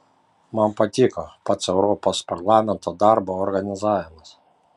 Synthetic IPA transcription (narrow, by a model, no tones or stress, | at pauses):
mɐnpɐt̪ʲɪkɔpɐt̪sɛʊɾɔpɔspɐɾlˠɑːmʲɛnt̪ɔd̪ɑɾboːɾɡɐnʲɪzɑːʋʲɪmɐs